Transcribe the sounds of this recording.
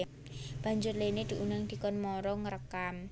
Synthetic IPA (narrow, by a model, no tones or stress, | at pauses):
b̥a̤ɲd͡ʒʊrlened̪̥i̤ʔunaŋd̪̥i̤kɔnmɔɾɔŋəɾəkam